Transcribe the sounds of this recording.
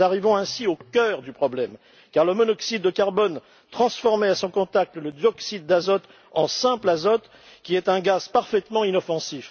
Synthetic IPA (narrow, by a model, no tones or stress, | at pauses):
aʁivɔ̃ɛ̃siokʲœʁd̪ypχɔblɛm | kaʁləmɔnɔksid̪ːəkaʁbɔn | t̪χɑ̃sfɔʁmɛasɔ̃kɔ̃t̪ak̚t̪ələd̪jɔksid̪ːazɔt̪ | ɑ̃sɛ̃plazɔt̪ | kʲiɛt̪ɛ̃ɡaz̥paʁfɛt̪mɑ̃inɔfɑ̃sif